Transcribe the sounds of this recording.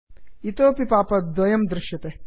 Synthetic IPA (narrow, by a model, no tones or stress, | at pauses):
it̪oːpipaːpɐd̪ʋɐjɐmd̪ɾɪʃjɐt̪e